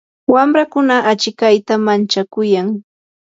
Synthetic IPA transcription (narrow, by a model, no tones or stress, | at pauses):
wamɾakʊnaʔat͡ʃɪkajt̪amant͡ʃakʊjaŋ